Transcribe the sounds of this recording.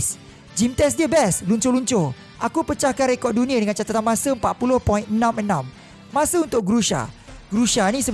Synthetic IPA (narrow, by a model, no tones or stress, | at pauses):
s | d͡ʒimt̪ɛs̬diəbɛsluɲt͡ʃoluɲt͡ʃo | ʔakupət͡ʃahkanɾekɔrdunĩə̃dəŋãnt͡ʃat̪at̪anmãsəəmpaʔ̪̚pulʊhpɔinənãmənãmː | ãsəunt̪ʊk̚ɡɾuʃa̰ɡɾuʃanĩsə